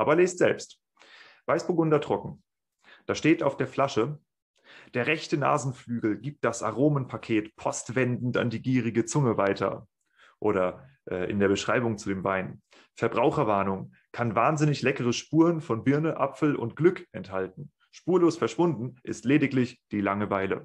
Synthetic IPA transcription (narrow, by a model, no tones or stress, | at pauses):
ʔaːbɐleːstz̥ɛ̰lpst | v̥aɪsb̥oɡʊndɐtʁ̥ɔkŋ̩ | d̥aːʃteːta̰ʊfd̥eːɐflaʃə | d̥eːɐʁɛçtəna̰ːzn̩flyːɡl̩ɡiːp̚t̚d̥asa̰ʁ̞oːmənpʰakʰeːtpʰɔstv̥ɛndn̩ta̰ndiːɡiːʁ̞ɪɡət͡sʊŋəvaɪtʰɐ̰ | ʔoːɾɐ | ʔɛːʔɪ̰ndeːɐbəʃʁ̥aɪbʊŋt͡sudeːmvaɪn | fɛɐbʁaʊxɐvaɐnʊŋ | kʰanvaːnzɪnɪçlɛkəʁ̞əʃpuːʁənfɔnbɪɐnəʔa̰pfl̩ʔʊ̰ntɡ̥lʏkʔɛnthalt̚n̩ | ʃpuːɐloːsfɛɐʃv̥ʊndn̩ʔɪ̰stleːdɪklɪçd̥iːlaŋəvaɪlə̰